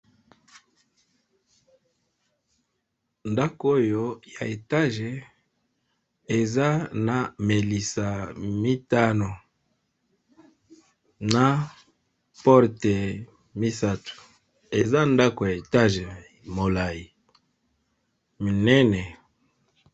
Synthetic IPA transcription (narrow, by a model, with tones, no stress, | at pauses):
nda˦ko˦jo˨ja˨e˨ta˦ʒe˨ | e˨za˦na˨me˨li˨sa˨mi˦ta˦no˨ | na˦ | pɔ˦ʁte˨ | mi˦sa˦tu̥˨ | e˨za˦nda˦ko˨ja˨e˨ta˦ʒe˨ | mo˨la˨ji˨ | mi˨nɛ˦nɛ˨